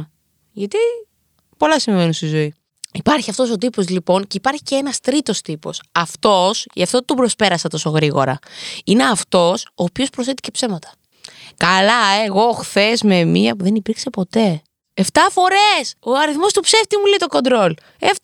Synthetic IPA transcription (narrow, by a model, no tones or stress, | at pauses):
ʝɐt̪i | po̞lɐsiɱvenunst̪izo̞i | ipɐɾçiɐft̪o̞sot̪̬ipo̞zlipo̞nceipɐɾçiceenɐst̪ɾit̪o̞st̪ipo̞̰sɐft̪o̞siɐft̪o̞t̪obɾo̞spe̞ɾɐsɐt̪o̞soɣɾiɣo̞̰ɾɐ̰ine̞ɐft̪o̞so̞ːpiospɾosθet̪ice̞pse̞mɐt̪ɐ̥ | kɐlɐeɣo̞xθe̞zmemiɐpuðe̞nipiɾkse̞po̞t̪e̞ | eft̪ɐfo̞ɾeso̞ɐɾiθmo̞st̪upse̞ft̪imuleit̪oko̞nd̪ɾo̞l | ef